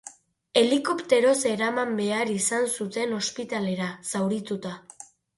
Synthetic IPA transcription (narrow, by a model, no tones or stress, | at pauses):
e̞liko̞pt̪e̞ɾo̞se̞ɾamambe̞aɾisansut̪e̞no̞spit̪ale̞ɾasawɾit̪ut̪a